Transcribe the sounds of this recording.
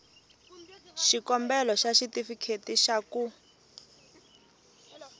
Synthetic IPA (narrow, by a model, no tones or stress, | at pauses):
ʃikɔmbɛlɔʃaʃitifikʰetiʃaku